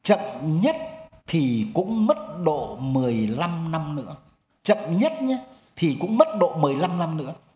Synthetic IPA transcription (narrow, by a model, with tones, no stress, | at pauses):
t͡ɕə̰˧˨nɲə˦˥t̚t̪ʰi˨˩kʊ̰˧˥ŋ͡mmə˦˥t̚ɗo̰˧˨mɨ˨˩əjla˧mna˧mnɨ̰˧˥ə | t͡ɕə̰˧˨nɲə˦˥t̚ɲa˧˦ | t̪ʰi˨˩kʊ̰˧˥ŋ͡mmə˦˥t̚ɗo̰˧˨mɨ˨˩əjla˧mna˧mnɨ̰˧˥ə